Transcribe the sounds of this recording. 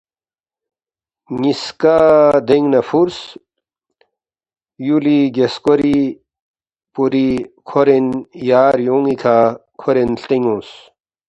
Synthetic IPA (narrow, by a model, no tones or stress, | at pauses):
ŋiskad̪eŋɡnɐfuɾs | juliɡeskoɾi | puɾikʰoɾenjaːɾjoːŋikʰakʰoɾenɬt̪eŋõːs